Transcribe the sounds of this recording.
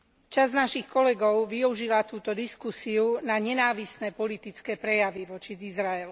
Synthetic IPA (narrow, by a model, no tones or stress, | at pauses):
t͡ʃaznaʃixkɔlɛɡɔʊʋiuʒilat̪uːt̪ɔd̪iskusiunaɲɛnaːʋisnɛpɔlit̪it͡skɛːpɾɛjaʋiʋɔt͡ʃiizɾaɛlu